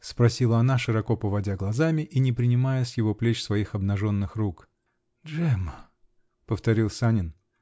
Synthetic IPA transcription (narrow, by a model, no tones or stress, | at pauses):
spɾɐsʲilˠəɐnaʂɨɾɐko̞pəvɐdʲaɡlˠɐzamʲɪʔinʲɪpɾʲɪnʲɪmajəsjɪvo̞plʲet͡ɕsvɐixɐbnɐʐo̞nːɨxruk | dʐɛmə | pəft̪ɐɾʲilˠsanʲɪn